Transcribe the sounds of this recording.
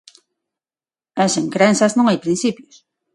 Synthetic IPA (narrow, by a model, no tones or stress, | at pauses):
ɛseŋkɾɛnsɐznõŋajpɾinθipjʊs